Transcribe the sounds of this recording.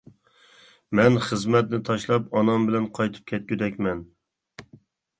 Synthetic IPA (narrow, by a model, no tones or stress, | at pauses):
mɛnχəzmɛt̪nɪt̪ʰɑʃlˠɑpɑnɑmbɪlɛnqʰɑjt̪ʰɨ̥p̚kʲʰɛt̪̚kʲyd̪ɛkʲmɛn